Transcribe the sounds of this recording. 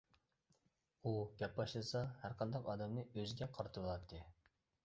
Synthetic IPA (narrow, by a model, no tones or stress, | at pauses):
uɡʲɛp̚bɑʃlˠɨsɑhæɾqʰɑnd̪ɑqɑːd̪ɛmnɨøzɡʲɛqʰɑɾt̪ʰɨblˠɑt̪ʰːɨ